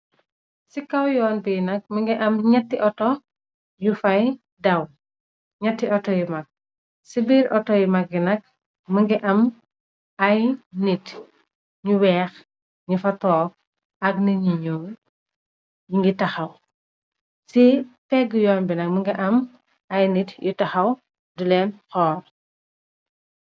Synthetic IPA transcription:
sikɐwjɔːnbinɐk̚məŋɡiʔɐmɲɐtːiʔɔtɔ | jufɐj | dɐw | ɲɐtːiʔɔtɔjumɐk̚ | sibiɾʔɔtɔjimɐk̚binɐk̚ | məŋɡiʔɐm | ɐjnit | ɲuwɛːx | ɲufɐtɔːk̚ | ɐɡnɐɲiɲɔː | jiŋɡitɐxɐw | sipɛɡːujɔːnbinɐk̚mɐŋɡiʔɐm | ɐjnitjutɐxɐw | dulɛːnxɔːr

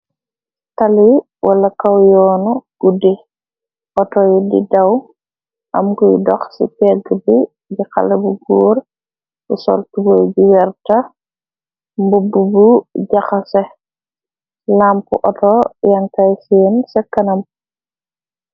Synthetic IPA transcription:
tali | wʔalɐkawjɔːnuɡ̥udi | ʔɔtɔjidḭdaw | ʔamkujṵdɔxsḭpɛɡbi | bika̰lɛbuɡuːɾ | busɔ̰ltubojɟiwɛɾta | mbubːubuɟaxasɛ | lampṵʔɔtɔjaŋkajsiːnsɛkːɐnɐm

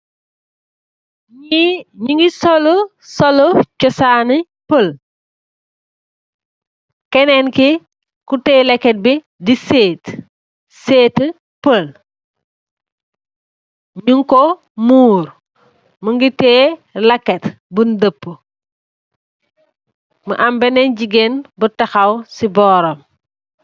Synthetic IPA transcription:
ɲuŋɡisolu | solut͡ʃɔsani | pəl | kɛnenki | kuteːlekːet̚bi | diseːt | seːt | pəl | ɲuŋko | muːɾ | məŋɡiteːlɐkːet | bundəpːə | məʔɐmbɛnɛnɟiɡenbətɐxɐwsibɔːɾɔm

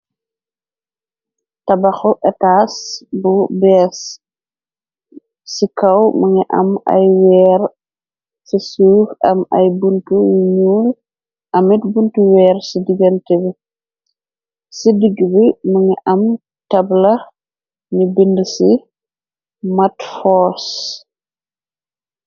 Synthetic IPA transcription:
tɐbɐxɔʔɛtasbubɛs | sikɐwmɐŋiʔɐ̰mɐ̰jwɛːɾ | sisuːxɐmɐ̰jbuntujiɲuːl | ʔɐmitbuntuwɛːɾsidiɡɐntɛbi | sidiɡbiməŋiʔɐm | tɐblɐ | nibindsi | matfɔs

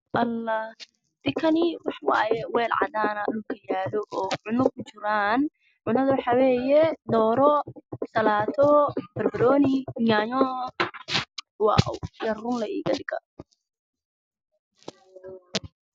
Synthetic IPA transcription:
ʔɐlːa | d̪̥ɪkʰɐnɪwɑħwɑ̰ːjɛwɛːlʕɑ̰d̪aːnɐɗʊlkʰɐjaːlɔʔɔːʕʊnʊɡ̚kʰʊt͡ʃɪɾaːn | ʕʊnɐðɐwɑħɑwɛːjɛd̪ɔːɾɔsɐlaːt̪ʰɔb̥ɐrbɐɾɔːnɪaːɲɔ | wɑ̰ʔwjɐrʊnlɐḭːɡɐdɪɡɐ

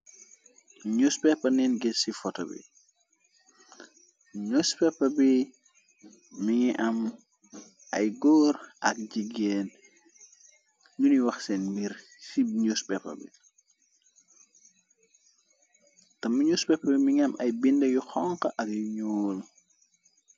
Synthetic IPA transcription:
ɲuspɛpːɐnɛnɡɛsifɔtɐbḭ | ɲospɛpːɐbi | miŋiʔɐm | ʔɐ̰jɡɔːɾʔɐk̚d͡ʒiɡɛːn | juniwɐxsɛnmbiɾ | siɲuspɛpːɐ̰bḭ | tɐmːiɲuspɛpːɐbimiŋiɐmʔɐjbindɐjuxɔŋkɐʔɐkjuɲɔːl

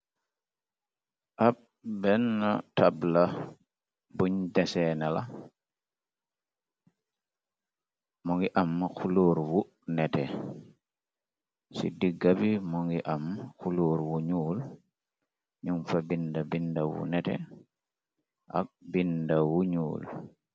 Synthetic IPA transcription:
ʔab̚ | bɛnːatabla | buɲdɛsɛnala | mɔŋɡiʔamːxuloːɾwu | nɛtɛ | sḭdiɡːabimɔŋɡiʔamxuluɾwuɲuːl | ɲuŋfabindabindawṵnɛtɛ̰ | ʔa̰k̚bindawuɲṵːl

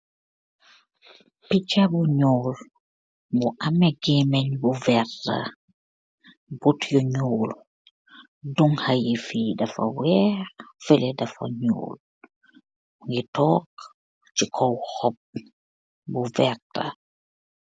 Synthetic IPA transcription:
pit͡ʃabuɲɔːl | buʔamɛɡɛmɛɲbuvɛrta̰ | butjɔɲuːl | duŋhajifidɐfɐ̰wɛːɾfɛlɛdɐfɐ̰ɲo̰ːl | ŋɡitɔːk | t͡ʃikʰɔwhɔp̚ | buvɛɾta̰

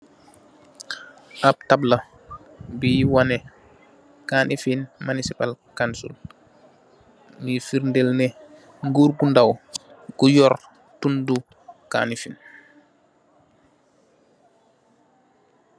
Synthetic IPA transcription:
ʔab̚tabla | biwanɛ | kanʔifinmanisipalkansṵl | mifiɾndelnɛ | ŋɡuɾɡundawkujɔɾ | tundu | ka̰ːnifin

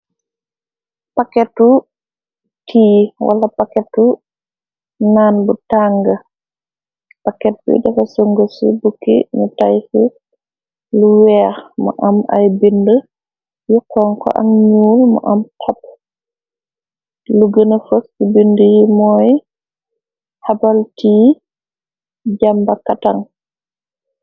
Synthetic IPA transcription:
pakɛtːu | tʰiːwʔa̰lapakɛtu | nanbutaŋɡa | pakːɛt̚bṵdɛfasuŋɡosḭbukːḭɲutajsi | luwɛmɔ̰ʔamʔa̰jbində | jukːɔŋkɔ̰ʔa̰ŋɲuːlmɔ̰ʔamtʰɔp | luɡənafəsubindəjimɔːj | habaltiː | d͡ʒambakataŋ

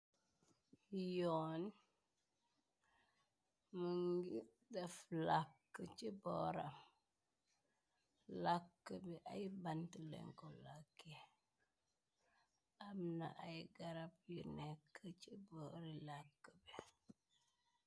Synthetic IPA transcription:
jon | məŋɡi | daflakːət͡ʃiboɾam | lakːəbiʔajbantəlḛŋkolakːi | amna̰ʔajiɡaɾap̚junekːət͡ʃiboɾilakːəbe

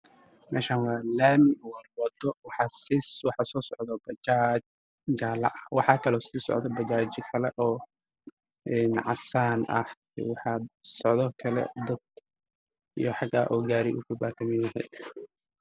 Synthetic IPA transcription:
mɛ̰ːʃaːnwɑːlaːmɪwɑrwɑd̪ɔwɑħɑːsiwɑħɑːsɔːsɔʕd̪ɔbɐd͡ʒat͡ʃ | d͡ʒaːlɐ̰ʔɐwɑħɑːkʰɐlɔsiːsɔ̰ʕd̪ɔbɐt͡ʃaːt͡ʃɪkʰɐlɛʔɔː | ʔɛːnʕɑ̰saːnʔɐ̰h | wɑħɑːsɔʕðɔkʰɐlɛ̰d̪ɐd̪ | ḭjɞħɑɡa̰ːʔɔːɡaːɾiʔṵkʰʊbaːkʰɐmɪjɐɦɛjd̪

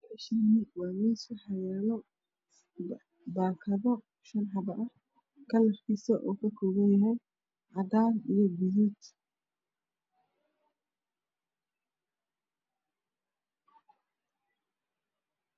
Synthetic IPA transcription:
ʃɐniwɑːmiːswʊħɑjɛːlɔ | baːkʰɐðɔ | ʃɐnħɑbɐʔɐ | kʰɐlɐrkʰiːsɐʔɔːkʰɐkʰɔːɣɐnjɐɦɛj | ʕɑd̪aːnijɔbijit̪

